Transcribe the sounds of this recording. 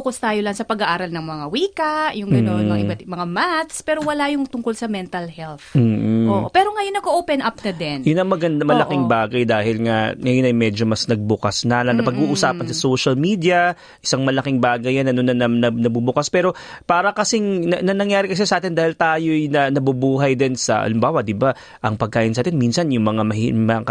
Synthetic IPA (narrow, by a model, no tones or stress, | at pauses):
kɐst̪aːjolɐnsɐpɐɡaʔaːɾɐlnɐŋmɐŋawiːkɐʔjʊŋɡɐonɐɪmɐŋamat̪spɛːɾo̞wɐlajʊŋt̪ʊŋko̞lsɐmɛnt̪ɐlhɛlθm̩ːʔopɛːɾo̞ŋɐjonːɐɡoʔoːpɛnʔɐp̚nɐd̪ɛnjʊnɐŋmɐɡɐnd̪ɐmɐlɐkɪŋbaːɡɐjd̪aːhɪlŋaŋɐjonɐjmɛːd͡ʒomɐsnɐɡ̚bʊkɐsnɐnɐnɐpɐɡuːʔʊsaːpɐnsɐsoʃɐlmiːd̪ijɐ | ʔɪsaŋmɐlɐkɪŋbaːɡɐjɐnɐnonɐnɐnɐnɐbubʊkaspɛːɾo̞paːɾɐkɐsɪŋnɐnɐnɐŋjaːɾɪkɐs̬ɛsɐʔaːt̪ɪnd̪aːhɪlt̪aːjojnɐnɐbubuːɦɐjd̪ɪnsɐ̰ʔɐ̰lɪmbaːwɐd̪ɪba | ʔɐŋpɐɡ̚kaːʔɪnsaːt̪ɪnminsɐnjʊŋmɐŋamɐimɐkɐ